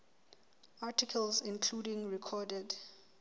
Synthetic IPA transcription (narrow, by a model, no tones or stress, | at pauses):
atʰikʰəlzĩnkʰludĩŋɹikʰɔdɛd